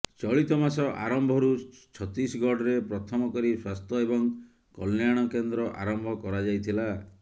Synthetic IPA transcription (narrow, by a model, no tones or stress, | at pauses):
t͡ʃɔɭit̪ɔmasɔʔa̰ɾɔmbʱɔɾut͡ʃʰɔt̪isɡɔɖɾepɾɔt̪ʰɔmɔkɔɾiswast̪ʰɔebɔŋ | kɔlnjaɽ̃ɔkend̪ɾɔʔa̰ɾɔmbʱɔkɔɾad͡ʒajt̪ʰila